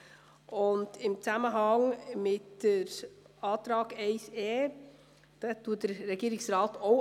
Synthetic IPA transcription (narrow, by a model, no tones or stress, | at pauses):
ʔʊndɪmt͡sæməɦɑŋmɪtd̥əɾ | ɑːt̪ɾɑːɡɛɪseː | d̥ɛtːuːət̚d̥əɾːɛɡiːɾɪksɾɑːtoʊ